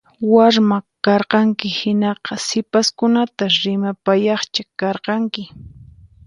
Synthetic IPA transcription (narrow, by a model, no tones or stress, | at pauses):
waɾmakɑɾqɑŋkɪhɪnɑqɑsɪpaskʊnat̪aɾɪmapajɑχt͡ʃakɑɾqɑŋkɪ